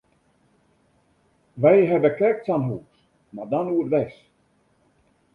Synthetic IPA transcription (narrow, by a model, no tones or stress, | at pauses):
ʋɛjɦɛbəkɛk̚tsanɦuːs | madɔnuətʋɛs